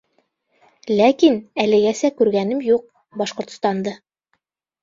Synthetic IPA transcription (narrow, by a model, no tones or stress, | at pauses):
lækinælɘ̆ɡæsækʉɾɡænɘmjuq̚ | bɒʃqŏɾt̪̆st̪ɑnd̪ɤ